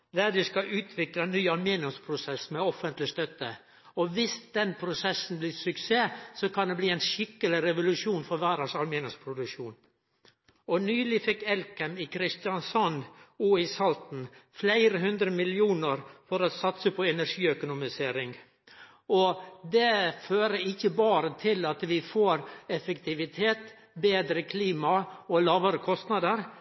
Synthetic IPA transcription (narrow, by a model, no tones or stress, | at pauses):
d̪æɾd̪ʉskɑʔʉːt̪ʰʋɪklənːyːɑlmeːnɪʊmspʰɾʊsɛsmɛɔfənt̪lɪst̪œt̪ːə | ɔʋɪsd̪̥ɛnpʰɾʊsɛsːn̩blɪsʉkseːsɔkʰɑnd̪ɛbliːæɪnʂɪkːəlɪɾɛʋʊlʉʂuːnfɔɾʋæːɾəʂɑlmeːnʊmspʰɾʊd̪ʉkʂuːn | ɔnyːlɪfɪkːɛlkɛmɪkʰɾɪst̪jɑnsɔnuːɪsɑlt̪n̩flæɪɾəɦʉnd̪ɾəmɪlɪuːnəɾfɔɾɔsɑt̪səpʰɔɛnæɾʂiːœkʊnʊmɪseːɾɪŋ | ɔd̪ɛføːɾəɪçːəbɑːɾət̪ʰɪlɑt̪ʋɪfoːɾɛfəkt̪ʰɪʋɪt̪ʰeːt̪ | beːd̪ɾəkʰliːmɑɔlɑːʋəɾəkʰɔst̪nɑd̪əɾ